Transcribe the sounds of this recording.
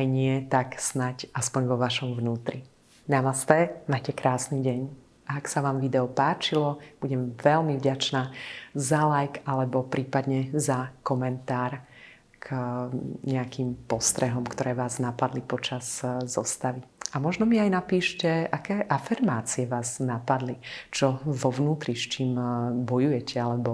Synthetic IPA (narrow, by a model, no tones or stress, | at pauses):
ajɲɪɛt̪aksnacaspɔɲʋɔʋaʃɔmvnuːt̪ɾi | namast̪ɛmaːcɛkɾaːsniːɟɛɲ | ʔaːksaʋaːmʋid̪ɛɔpaːt͡ʃilɔb̥uɟɛmʋɛlmivɟat͡ʃnaːzalajkalɛbɔpɾiːpad̪ɲɛzakɔmɛnt̪aːɾ | k | ɲɛakimpɔst̪ɾɛɦɔmkt̪ɔɾɛːʋaːznapad̪lipɔt͡ʃazːɔ̰st̪aʋiamɔʒnɔmiajnapiːʃcɛʔakɛːʔafiɾmaːt͡siɛʋaːznapad̪lit͡ʃɔʋɔʋnuːt̪ɾist͡ʃiːmbɔjujɛcɛalɛbɔ